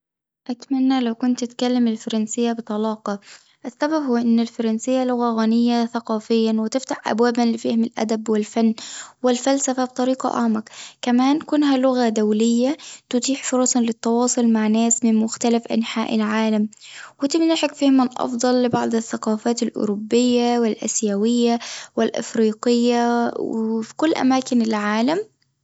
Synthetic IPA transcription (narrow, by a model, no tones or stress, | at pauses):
ʔat̪manːalawkʊnt̪ːɪt̪kalːamɪlfɑɾˤɑnsɪjːabɨt̪ˤɑlɑːqɑ | ʔasːababhʊːʔɪnːɪlfɑɾˤɑnsɪjːalʊɣaɣanɪjːaθaqɑːfɪjːanwɪt̪ɪft̪aħʔa̰bwaːbanlɪfaːhɪmɪlʔa̰d̪abwɪlfanːwɪlfalsafab̚t̪ˤɑɾiːqɑ̰ʔa̰ʕmakkamaːnkʊnɦalʊɣad̪awlɪjːat̪ʊt̪iːħfʊɾˤɑːsˤɑnlɪt̪ːɑwɑːsˤʊlmaʕnaːsmɪnmʊxt̪alafʔa̰nħaːʔɪlʕaːlamwɪt̪ɪmnaħɪkfiːhmanʔɑ̰fd̪ˤɑlːɪbɑʕd̪ˤɪθːaqɑːfaːt̪ɪlʔʊ̰ɾʊbːɪjːawɪlʔa̰sjawɪjːawɪlʔɪ̰fɾiːqɪjːawikʊlːʔa̰maːkɪnɪlʕaːlam